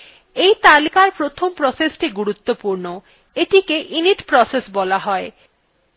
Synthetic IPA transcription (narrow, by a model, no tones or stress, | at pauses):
ejt̪alikaɾpɾot̪ʰompɾɔsesʈiɡuɾut̪ːopuɾno | eʈikeʔiniʈpɾɔsesbɔlaɦɔe